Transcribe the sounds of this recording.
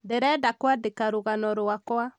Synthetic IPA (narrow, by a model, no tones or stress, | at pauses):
deɾɛdakwadekaɾoɣanɔɾwakwa